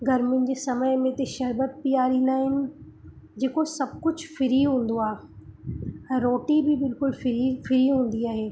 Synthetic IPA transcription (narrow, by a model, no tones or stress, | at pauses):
ɡʱɐɾmʊ̃ɪ̃ɲ̆d͡ʑeːsɐməɪmẽt̪eʃɐɾbət̪̚pijaːɾĩːnd̪aːɦɪnɪ̆ | d͡ʑeːkosɐb̚kʊd͡ʑʱfɪɾiɦũːn̆d̪oaː | ɛ̃ːɾoːʈibɪbɪlkʊlfɪɾifɪɾiɦũːn̆d̪iaːɦeː